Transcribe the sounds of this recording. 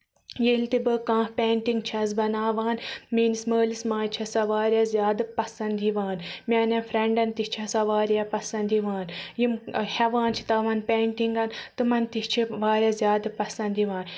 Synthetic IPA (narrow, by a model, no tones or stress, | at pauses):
jelt̪ibɨkãːhpʲeːɳʈiŋɡt͡ʃʰɐz̬bɐnaːʋaːnmeːnisməːlismaːjt͡ʃʰɐsɐʋaːɾʲɐzʲjaːd̪ɨpɐsɐnd̪iʋaːnmʲaːnɐfɾeɳɖɐnt̪it͡ʃʰɐsɐʋaːɾʲapɐsɐnd̪iʋaːnjimhɛʋaːnt͡ʃʰi̥t̪ɐʋɐnpʲeːɳʈiŋɡɐnt̪ɨmɐnt̪it͡ʃʰiʋaːɾʲjɐzʲjaːd̪ɨpɐsɐnd̪iʋaːn